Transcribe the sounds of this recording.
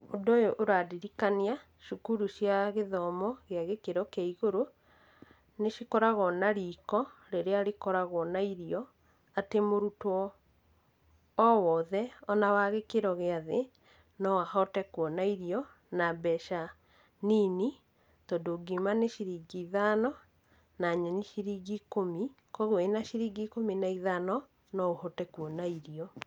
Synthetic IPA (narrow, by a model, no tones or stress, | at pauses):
odojoʔoɾadiɾikania | ʃukuɾuʃjaɣeðɔmɔɣeaɣekeɾɔkaiɣoɾo | neʃikɔɾaɣɔnaɾiːkɔɾeɾeaɾekɔɾaɣɔnaiɾiɔ | atemoɾutɔ | wɔðɛɔnawaɣekeɾɔɣeaðe | nɔwahɔtɛkwɔnaiɾiɔ | nabɛʃa | nini | tɔdoɡimaneʃiɾiɡiiðanɔ | naɲɛɲiʃiɾiɡikomi | kɔɣwenaʃiɾiːɡikominaiðanɔ | nɔohɔtɛkwɔnaiɾiɔ